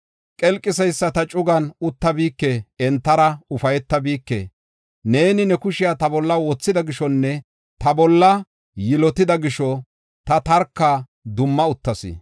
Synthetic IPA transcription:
kʼɛlkʼːɪsɐjsːɐt̪ɐt͡ʃʼʊɡɐnʊt̪ːɐbiːkːeɛnt̪ːɐɾɐʊfɐjɛt̪ːɐbiːkːḛː | ne̞ːnɪnɛkʊʃɪjat̪ɐbɔlːɐwɔt͡sːɪd̪ɐɡɪʃɔnːɛ | t̪ɐbɔlːɐ | jɪlɔt̪ɪd̪ɐɡɪʃɔ | t̪ɐt̪ɐɾkːa | d̪ʊmːɐʊt̪ːɐsɪ̰

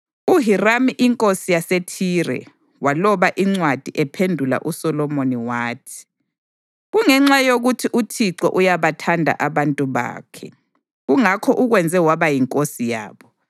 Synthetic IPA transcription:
uɦiramiʔiŋkʼosijasetʰirɛ̰ | walɔβaʔiŋ͡ǀwad̥ʱiʔɛpʰendʱula̰ʔusɔlɔmoniwaːtʰi̥ | ɣuŋɛŋ͡ǁajoɣutʰiʔutʰiǀɔ̰ʔujaβatʰandʱa̰ʔaβantʼuβa̰ːkʰɛ | ɣuŋakʰɔʔuɣwɛnd͡zʱɛwaβajiŋkʼosija̰ːβɔ

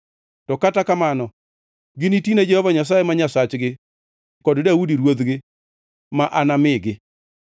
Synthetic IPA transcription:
tɔkatakamanɔ | ɡɪnitined͡ʒehɔvaɲas̬ajemaɲasat͡ʃɡɪ | kɔddaudiɾwod̪ɡɪ | maʔanamɪɡɪ

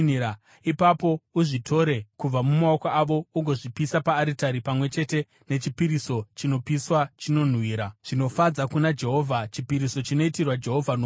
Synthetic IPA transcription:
a | ipapo̞uʐitʰo̞ɾe̞kub͡vamumaokaʔaʋo̞uŋɡʱo̞ʐipisapaːɾitaɾipamwe̞t͡ʃe̞te̞ | ne̞t͡ʃipiɾiso̞t͡ʃino̞piswat͡ʃino̞n̤wiːɾaʐ̥ino̞fad͡zakunad͡ʒe̞ɦo̞ːvʱat͡ʃipiɾiso̞t͡ʃino̞itirwad͡ʒe̞ɦo̞vʱano

